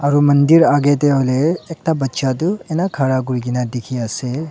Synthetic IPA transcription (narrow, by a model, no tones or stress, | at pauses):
aɾumɐnd̪iɾaɡet̪̬eɦoleːk̚ʈabɐtːʃat̪uenakʰaɽaɡuɾiɡinad̪ekʰiase